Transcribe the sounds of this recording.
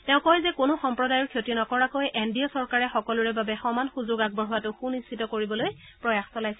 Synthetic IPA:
tɛʊ̃kɔjzɛkʊnʊxɔmpɹɔdajɔɹkʰjotiɔnakɔɹakojʔendiɔsɔɹkaɹɛxɔkɔluɹɛbabɛxɔmanxuzoɡaɡ̚bɔɹɦʊwatʊxunistʰitɔkoɹibɔloj | pɹɔjaxsɔlajsɛ

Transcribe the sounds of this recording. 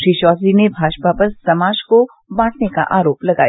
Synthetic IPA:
iʃɔːzinebʱaːʃpapɐɾsɐmaːd͡ʒko | bãːʈʰneka̰ʔaːɾoːplɐɡa̰ːj

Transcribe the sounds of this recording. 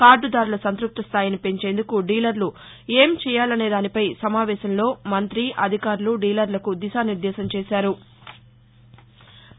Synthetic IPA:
kaːɾɖud̪aːɾulɐsɐnt̪ɾuk̚t̪ɐst̪ʰaːjinipe̞ɲt͡ʃe̞ːnd̪ukuɖiːlɐɾlu | e̞ːmt͡ʃɛːjaːlɐne̞ːd̪aːnipɐjsɐmaːʋɛːʃɐmlo̞ːmɐnt̪ɾiʔɐd̪ʱikaːɾluɖiːlɐɾlɐkud̪isaːniɾd̪ɛːsɐmt͡ʃɛːsaːɾu

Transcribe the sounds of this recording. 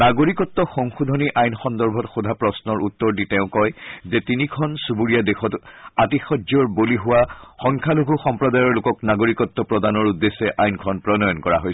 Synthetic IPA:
naɡoɹikɔtːɔxɔŋxudʱɔniʔajnxɔndɔɹbʱɔtxodʱapɹɔsnɔɹut̪ːɔɹditɛʊ̃kɔjzɛtinikʰɔnsubuɹijadexɔtatixɔdzɔɹboliɦʊwaxɔŋkʰaluɡʱuxɔmpɹɔdajɔɹlʊkɔknaɡoɹikɔtːɔpɹɔdanɔɹudːesɛʔajnkʰɔnpɹɔnɔjɔnkɔɹa̰ɦojs

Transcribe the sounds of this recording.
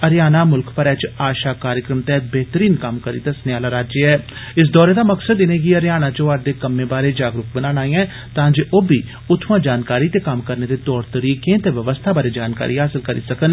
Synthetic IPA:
əɾjaːnaːmʊlkpəɾɛːt͡ʃaːʃaːkaːɾjəkɾəmt̪ɛːt̪̚bɛːt̪əɾiːnkəmkəɾḭːt̪asənaːlaːɾaːd͡ʒeɛː | ɪs̬d̪ɔːɾeːd̪aːməksəd̪ɪneːɡiəɾjaːnaːt͡ʃoːaɾd̪eːkəmːẽːbaːɾeːd͡ʒaːɡɾʊk̚bənaːnaːiːãː | t̪ãːd͡ʒeːʔoːbiː | ʊt̪ʰːʋãːd͡ʒaːnkaːɾiːt̪eːkəmkəɾneːd̪eːt̪ɔːɾt̪əɾiːkẽːt̪eːʋəʋəst̪ʰaːbaːɾeːd͡ʒaːnka̰ːɾiːɦaːsɪlkəɾḭːsəkən

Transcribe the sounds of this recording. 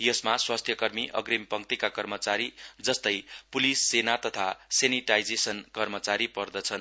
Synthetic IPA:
jʌsmaswast̪ʰjʌkʌrmiʔʌ̰ɡrimpʌŋk̚t̪ikakʌrmʌt͡saɾid͡zʌst̪ʌjpulisːenat̪ʌt̪ʰaseniʈajd͡zesʌnkʌrmʌt͡saɾipʌrd̪ʌt͡sʰʌn

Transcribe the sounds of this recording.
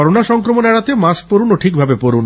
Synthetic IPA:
ɔɾonaʃɔŋkɾomonɛɽat̪emaspoɾunoʈʰik̚bʱabepoɾun

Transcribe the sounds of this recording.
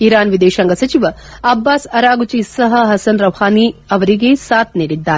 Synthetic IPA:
iɾaːnʋid̪eːʃɐŋɡɐsɐt͡ʃiʋɐ | ɐbːaːsɐɾaːɡut͡ʃisɐɦɐɦɐsɐnɾɐʋhaːniɐʋɐɾiɡesaːt̪̚ʰniːɽid̪ːaːɾe

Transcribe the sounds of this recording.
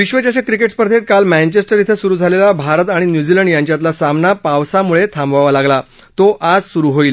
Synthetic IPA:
ʋiɕʋət͡ɕaɕakɾikeʈspəɾd̪ʰʱet̪̚kalmæ̃nt͡ɕesʈəɾjit̪ʰesuɾuːd͡zʱalelabʱaɾət̪aɽ̃injud͡ʑiləɳɖjãɲt͡ɕjat̪̬lasamnapaʋsamuɭet̪ʰãmbaʋalaɡla | t̪oʔad͡zsuɾuːɦoiːl

